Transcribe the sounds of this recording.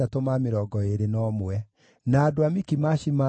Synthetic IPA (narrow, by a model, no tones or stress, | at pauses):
atomameɾɔɡɔeɾenɔmwɛ | naːdoamikimaɕima